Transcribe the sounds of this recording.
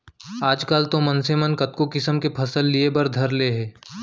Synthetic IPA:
aːd͡ʒkaːlt̪omɐnsemənkɐt̪kokɪsəmkepʰɐsəlːiebɐɾd̪ʱɐɾleɦɛː

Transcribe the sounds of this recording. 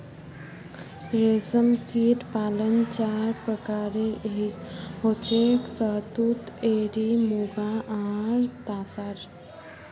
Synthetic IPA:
ɾesəmt̪iʈpalənt͡ʃaɾpɾəkaɾe | ɦot͡ʃʰeksəɦt̪ut̪eɾimuɡaʔaɾt̪asaɾ

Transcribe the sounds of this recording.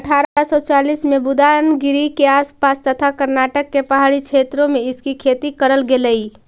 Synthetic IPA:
əʈʰaɾasɔt͡ʃalismebʊd̪anɡɪɾikeaspast̪ət̪ʰakəɾnaʈəkːepəɦaɽit͡ʃʰet̪ɾõmeɪskikʰet̪ikəɾəlɡeləi

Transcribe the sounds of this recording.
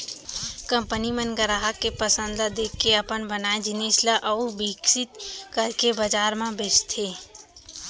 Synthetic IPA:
kə̃mpənimə̃nɡəɾaːɦakːepəsə̃nd̪lad̪eːkːeɐpənbənaːẽd͡ʒɪneːslaʔɐubiksɪt̪kəɾkebəd͡ʒaːɾmãbest̪ʰeː

